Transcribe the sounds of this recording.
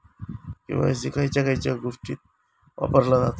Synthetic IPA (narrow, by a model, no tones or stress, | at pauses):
kḭ̃w̃ʋa̰sikajt͡ɕakajt͡ɕaɡuʂʈḭt̪̚ | ʋa̰pəɾlanat̪